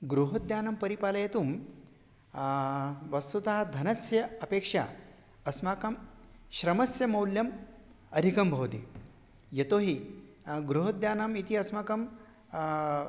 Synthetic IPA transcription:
ɡɾuɦɐd̪jaːnɐmpɐɾipaːlɐjet̪uːm | ʋɐst̪ut̪aɦd̪ʱɐnɐsjɐɐpeːkʂa̰ | ɐsmaːkɐm | ɕɾɐmɐsjɐmɐwljɐm | ɐd̪ʱikɐmbʱɐwt̪ḭ | jet̪oɦi | ɡɾuɦɐd̪jaːnɐmit̪iɐsmakɐm

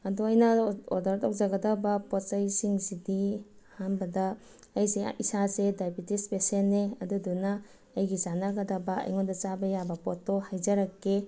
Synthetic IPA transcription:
ɐduɐjnɐɔdaɾtʰɔk̚zaɡɐdabɐpɔtsɐjsiŋzidi | hanbɐdɐː | jseisazedajbitispesenːeɐdudunɐː | jɡizanaɡɐdabɐɐ̰jŋondɐt͡ʃabɐjabɐpɔtːɔhajzɐɾakːe

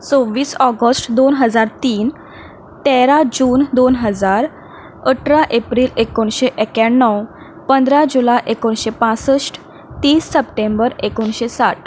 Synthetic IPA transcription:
t͡sõʋːiːsɔɡəsʈd̪onɦəd͡zaɾt̪iːn | t̪eɾad͡ʑuːnd̪onɦəd͡zaɾ | əʈɾaʔepɾiːlekoɳɕeʔekjanːəw | pənd̪ɾad͡ʑulaʔekoɳɕepãsəsʈ | t̪iːsːəp̚ʈembəɾekoɳɕesaʈ

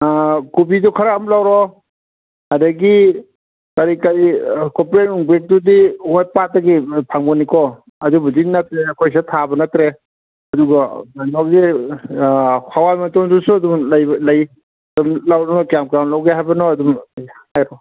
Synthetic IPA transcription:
kubidukʰaɾamlawɾɔ | adaɡi | kaɾikaɾikɔpɾeuŋbek̚dudiwojpat̚ːaɡipʰaŋbɔnikɔ | ɐdubudinatɾeɐkʰojsatʰabɐnatɾe | ɐduɡaanɔkzi | kʰawajmatɔŋdusuɐdumlajlaj | dumlawnɔkjamkɾamlawɡeɦajbɐnɔːdumhajɾɔ

